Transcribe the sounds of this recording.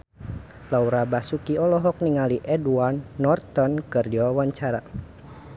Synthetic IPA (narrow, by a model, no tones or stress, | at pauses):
lauɾabasukiɔlɔɦɔk̚niŋaliʔɛduanːɔrt̪ɔnkɨrd͡ʒiwawaɲt͡ʃaɾa̰